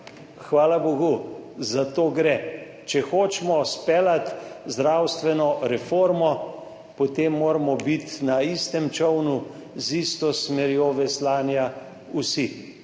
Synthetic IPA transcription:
xʋaːlaboɡuzat̪oːɡɾɛ | t͡ʃɛxoːt͡ʃmɔspɛːlat̪zd̪ɾaːwst̪ʋɛnɔɾɛfoːɾmɔ | pɔt̪emːoːɾmɔbit̪naist̪ɛmt͡ʃɔwnu | zist̪ɔsmɛɾjoʋɛslaːnja | usi

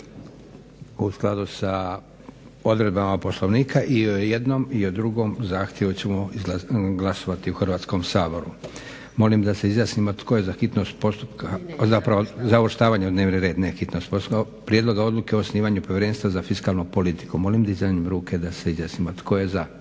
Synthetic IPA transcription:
usklˠad̪usa | o̞d̪ɾe̞d̪bamapo̞slˠoʋniːkʰaʔiojed̪nomiod̪ɾuɡo̞mzaːxt̪jeʋut͡ɕe̞moizɡlˠaso̞ʋat̪iuxrʋaːt̪sko̞msaːbo̞ɾu | mo̞limd̪ase̞izjasnimot̪kʰo̞je̞zaxit̪no̞st̪po̞st̪upkʰazapɾaʋozaoɾʃt̪aːʋaɲed̪ne̞ːʋneɾe̞ːd̪nexit̪no̞st̪posa | pɾjed̪lˠo̞ɡao̞d̪luke̞oːsniːʋaɲupoʋjeɾenst̪ʋazafiskalˠnupo̞lit̪i̥kumo̞limd̪aizjanimɾuːkʰe̞d̪ase̞izjaːsnimot̪kʰo̞je̞za

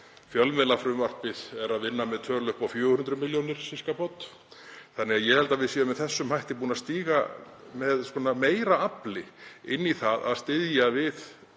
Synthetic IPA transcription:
fjœlmɛlafɾʏmvar̥pɪðɛɾaðvɪnːamɛðt̪ʰœːlʏhpawfjœːhʏnt̪ɾʏmɪljownɪɾ̥sɪskapot̪ː | θanːɛɣaðjɛhɛlt̪avɪðsiːðamɛðθɛsːʏmhajht̪ɪp̬uːnast̪iːɣamɛðskɔːnameːjɾaaplɪɪnːiθaða̰ðst̪ɪðjavɪð

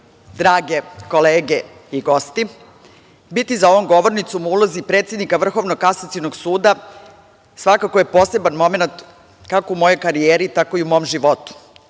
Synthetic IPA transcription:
d̪ɾaːɡeko̞leːɡeiɡo̞st̪i | bit̪izao̞ʋo̞mɡo̞ʋo̞ɾnit̪sumuulˠozipɾet̪sje̞d̪nikaʋr̩xo̞ʋnokasat̪sinoɡsuːd̪a | sʋakako̞je̞po̞ːse̞banmo̞me̞nat̪ | kakoumo̞jo̞jkaɾieːɾit̪ako̞iumo̞ːmʒiʋo̞t̪u̥

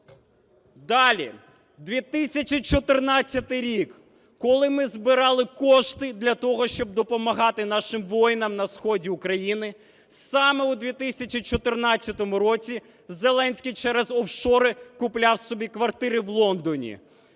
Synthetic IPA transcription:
d̪ɑlʲḭ | d̪ʋʲit̪ɪsʲɐt͡ʃit͡ʃɔt̪ɪrnɑt͡sʲːɐt̪ɪjɾʲik | kɔlˠɪmɪzbɪɾɑlˠɪkɔʃt̪ɪd̪lʲɐt̪ɔɦɔʃt͡ʃɔb̚d̪ɔpɔmɐɦɑt̪ɪnɑʃɪmʋɔjnɐmnɐsxɔdʲiʊkɾɐjinɪ | sɑmɛud̪ʋʲit̪ɪsʲɐt͡ʃʲit͡ʃɔt̪ɪrnɑt͡sʲːɐt̪ɔmʊɾɔt͡sʲi | zelˠɛnʲsʲkijt͡ʃɛɾɛzɔfʃɔɾɪkʊplʲɑwsɔbʲikʋɐrt̪ɪɾɪʋlˠɔnd̪ɔnʲḭ

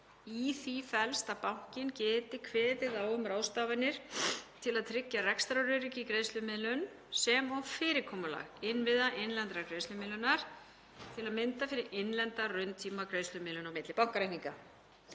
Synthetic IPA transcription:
iθifɛlst̪apawŋ̥cɪncɛːt̪ɪkʰvɛːt̪ɪðaːwʏmraːwst̪aːvanːɪɾ̥t̪ʰɪlaðt̪ʰɾɪcːarɛkst̪ɾaɾʏɾicɪkɾeːjst̪lʏmɪðlʏn | sɛmɔfɪːɾɪɾkʰɔːmʏla̰ɣɪnvɪðaʔɪnlɛnt̪ɾakɾeːst̪ʏmɪlʏnaɾ̥ | t̪ʰɪlaðmɪnt̪afɪːɾɪʔɪnlɛnt̪arʏɥnt̪ʰiːmakɾejst̪ʏmɪðlʏnawmɪt̪lɪpawŋkaɾejhniŋka̰

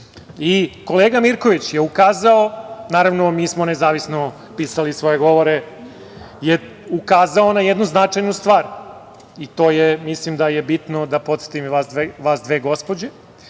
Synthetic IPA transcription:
iko̞leːɡamiɾkoʋit͡ɕjeukaːzaonaːɾaʋnomiːsmo̞nezaːʋisno | piːsalisʋo̞jeɡo̞ʋoɾe | je | ukaːzaonajed̪nuznat͡ʂajnust̪ʋaːɾ | it̪oːjemislimd̪ajebit̪nod̪apo̞t̪se̥t̪imʋasd̪ʋeʋaːsd̪ʋeɡo̞spod͡ʑe

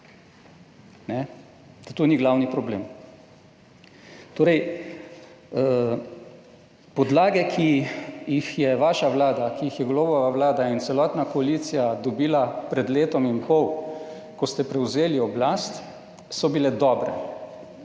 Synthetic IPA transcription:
nɛ | d̪at̪oniɡlawnipɾɔbleːm | t̪oːɾɛj | pɔd̪laːɡɛkʰijixjɛʋaʃaʋlaːd̪akiixjɛɡloːbɔʋaʋlaːd̪ainsɛlɔːt̪nakɔalit̪sijad̪ɔbiːlapɾɛd̪leːt̪ɔmimpɔw | kɔst̪ɛpɾɛwzeːliɔblast̪ | sɔbilɛd̪ɔːbɾɛ

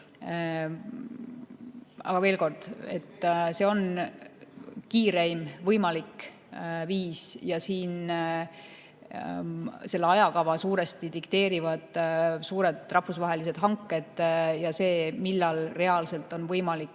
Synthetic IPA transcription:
ɑ̰ɡɑve̞ːlko̞rd̪̥e̞t̪ːse̞ːo̞n | kiːɾejmvɤjmɑlik | viːsjɑsiːn | se̞lːeɑjɑkɑvɑsuːɾe̞st̪it̪ikt̪e̞ːɾivɑd̪̥suːɾe̞d̪̥rɑhfusvɑɦe̞lis̬e̞d̪̥ɦɑŋkːˑe̞d̪̥jɑse̞ːmilːɑlre̞ɑlse̞lt̪ːˑo̞nvɤjmɑlikː

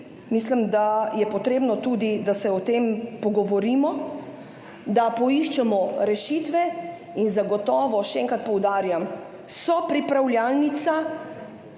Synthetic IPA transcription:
mislimd̪ajɛpɔt̪ɾeːbnɔt̪uːd̪id̪asɛɔt̪empɔɡɔʋɔɾiːmɔ | d̪apɔiʃt͡ʃɛmɔɾɛʃit̪ʋɛ | inzaɡɔt̪ɔːʋɔʃɛɛŋkat̪̚pɔwd̪aːɾjam | sɔpɾipɾawlʲjalnit̪sa

